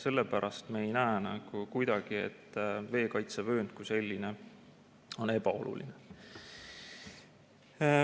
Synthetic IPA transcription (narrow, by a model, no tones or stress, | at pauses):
se̞lːepæɾʔɑst̪meejnæenɑɡ̥ukujd̪ɑɡ̥iḛt̪ːve̞ːkɑjt̪sevø̞ːnd̪̥̚kuse̞lʲːine̞ | o̞ne̞bɑo̞̰lʔṵlḭne